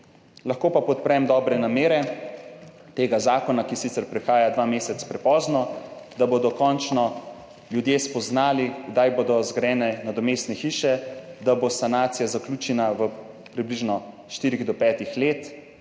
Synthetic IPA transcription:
laxkoːpapɔt̪̚pɾɛmd̪ɔːbɾɛnameːɾɛ | t̪eːɡazaːkɔnakisit̪sɛɾpɾɛxaːjad̪ʋaːmeːsɛt̪spɾɛpɔːznɔd̪abod̪ɔkɔnt͡ʃnɔ | ljud̪jespɔznaːliɡd̪ajboːd̪ɔzɡɾɛːnɛnad̪ɔmeːst̪nɛxiːʃɛd̪abosanaːt̪sijazakluːt͡ʃɛnaʋə | pɾibliʒnɔ | ʃt̪iːɾiɣd̪ɔpɛːt̪ixleːt̪

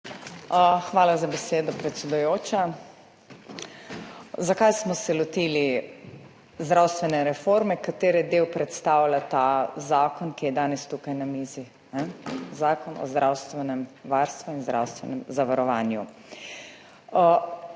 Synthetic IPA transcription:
xʋaːlazabɛseːd̪ɔpɾɛt̪sʲɛd̪ujoːt͡ʃa | zakajsmɔsɛlɔt̪iːli | zd̪ɾawst̪ʋɛnɛɾɛfoɾmɛkat̪eːɾɛd̪ewpɾɛt̪st̪aːwlʲat̪azaːkɔnkijɛd̪aːnɛst̪ukajnamiːzi | nɛzaːkɔnɔ̰zd̪ɾʔawst̪ʋɛnɛmʋaɾst̪ʋuinzd̪ɾa̰wst̪ʋɛnɛmzaʋaɾɔʋaːnjṵ

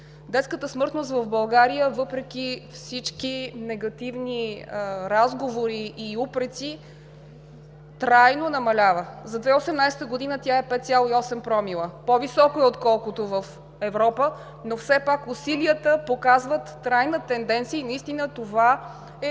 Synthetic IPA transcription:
d̪ɛt̪skət̪əsmɤɾt̪nost̪vɐvbɐlˠɡaɾijəvɤpɾɛk̟ʲifsit͡ʃkinɛɡɐt̪ivniɾazɡovoɾiʔːupɾɛt̪si | t̪ɾajnonɐmɐlʲavəzɐd̪vɛosɛmnajsɛ̥t̪əɡod̪inət̪ʲaɛpɛt̪̚t̪sʲalˠoiɔsɛmpɾɔmilˠəpovisɔkoɛot̪kɔlˠkot̪ovəf | ɛvɾɔpə | nofsɛpakusiliət̪əpokazvət̪ːɾajnət̪ɛnd̪ɛnt̪sijəinɐist̪inət̪ova | ɛ

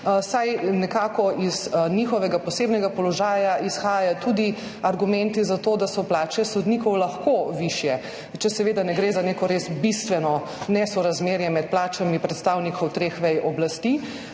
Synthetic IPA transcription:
sajnɛkaːkɔʔiznixɔʋɛɡapɔseːbnɛɡapɔlɔʒaːjaʔisxaːjat̪ud̪i | aɾɡumɛ̃nt̪izat̪oːd̪asɔplaːt͡ʃɛsɔd̪niːkɔwlaxkoʋiʃjɛ | t͡ʃɛsɛʋeːd̪anɛɡɾeːzaneːkɔɾeːsbist̪ʋɛnɔ | nɛsɔɾazmeːɾjɛmɛt̪̚plaːt͡ʃamipɾɛt̪st̪aːwnikʰɔwt̪ɾeːxʋɛjɔblast̪i

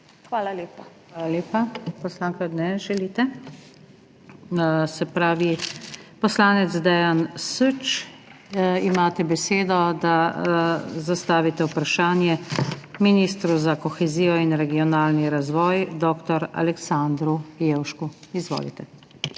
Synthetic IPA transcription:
xʋaːlaleːpaxaːlaleːpapɔslaːŋkanɛʒɛliːt̪ɛ | sɛpɾaːʋipɔslaːnɛt̪zd̪ɛjansut͡ʃ | imaːt̪ɛbɛseːd̪ɔd̪a | zast̪aːʋit̪ɛwpɾaʃaːnjɛminiːst̪ɾuzakɔxɛziːjɔinɾɛɡiɔnaːlniɾazʋɔːjd̪ɔːkt̪ɔɾa̰lɛksand̪ɾujewʃkuizʋo̰ːlḭt̪ɛ

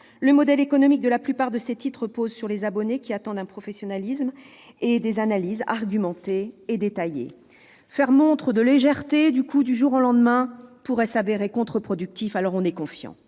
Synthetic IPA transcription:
ləmɔd̪ɛlekɔnɔmik̚d̪əlaplypaʁd̪əset̪it̪χəpozsyʁlezabɔnekʲiat̪ɑ̃d̪ɛ̃pχɔfɛsjɔnalism | ed̪ezanaliza̰ʁɡʲymɑ̃t̪eːd̪et̪ajḛ | fɛʁmɔ̃t̪χəd̪əleʒɛʁt̪ed̪ykʰud̪yʒuʁolɑ̃d̪mɛ̃puʁɛsaveʁekɔ̃t̪χəpχɔd̪yk̚t̪ifalɔʁɔ̃nɛkɔ̃fjɑ̰̃

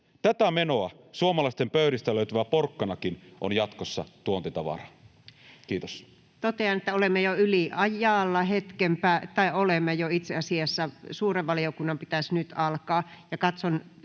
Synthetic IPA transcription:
t̪æt̪æmenoɑ | suomɑlɑist̪empøyɾist̪æløyt̪æʋæporkːɑnɑkinʔonjɑt̪kosːɑt̪uont̪et̪ɑʋɑ̰rɑ | kiːt̪o̥s | t̪ot̪eɑnet̪ːæolemːejoyliʔɑjɑːlːɑhet̪kempæːt̪ɑiolemːejoit̪seɑsiɑsːɑsuːreʋʋɑliokunːɑmpit̪æsnyt̪ɑlkɑːjɑkɑt̪son

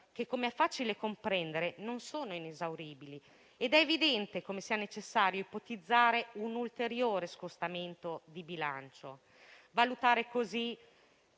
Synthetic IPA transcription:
kekːomeɛfːaːt͡ʃilekompɾɛnd̪eɾenonsoːnoinezawɾiːbili | ed̪ɛːvid̪ɛnt̪ekomesiːanet͡ʃesːaːɾjoipot̪id̪zːaːɾeunult̪eɾjoːɾeskost̪ament̪od̪ibila̰nt͡ʃo̰ | valut̪aːɾekozi

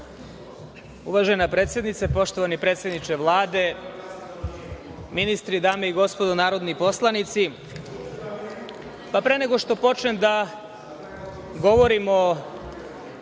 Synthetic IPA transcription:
uʋaʒenapɾet̪sjed̪nit̪sepo̞ʃt̪o̞ʋanipɾe̞ːt̪sje̞d̪nit͡ʃeʋlˠaːd̪e | minist̪ɾid̪aːmeiɡo̞spo̞d̪onaːɾo̞d̪nipo̞slˠanit̪si | papɾe̞ːneɡo̞ʂt̪o̞po̞t͡ʃnemd̪a | ɡo̞ʋo̞ɾimo

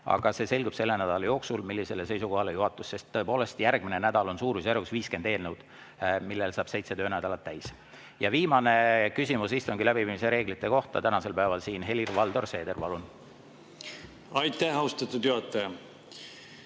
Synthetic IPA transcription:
ɑ̰ɡ̥ɑse̞ːse̞lʲɡub̥se̞lːe̞næd̪̥ɑlɑjo̞ːksulmilːise̞lːese̞jsuko̞hɑlejuɦɑt̪ːˑusːe̞st̪ːɤ̞e̞po̞ːle̞st̪jærɡ̥minenæd̪̥ɑlo̞nsuːɾusæɾvusviːskend̪e̞ːlnewd̪̥ | milːe̞lsɑːb̥se̞jt̪se̞t̪øːnæd̪ɑlɑt̪ːæjs | jɑviːmɑne̞kysʲimusist̪oŋɡilæbipiːmise̞ɾe̞ːɡlit̪ːˑe̞ko̞ht̪ɑt̪ænɑse̞lpæevɑlsiːnɦe̞lirvɑld̪o̞rse̞ːd̪e̞rpɑlun | ɑjt̪ˑːæhɑoust̪ɑt̪ːˑud̪̥juɦɑt̪ːˑɑjɑ

